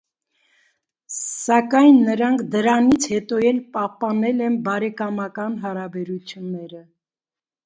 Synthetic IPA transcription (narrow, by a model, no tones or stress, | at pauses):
sɑkɑjnːəɾɑŋkʰd̪əɾɑnit͡sʰhɛt̪ɔjɛlpɑhpɑnɛlɛnbɑɾɛkɑmɑkɑnɦɑɾɑbɛɾut͡sʰjunːɛɾə